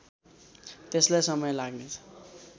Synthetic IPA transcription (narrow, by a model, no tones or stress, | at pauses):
t̪eslajsʌmʌjlaɡnet͡sʰʌ̥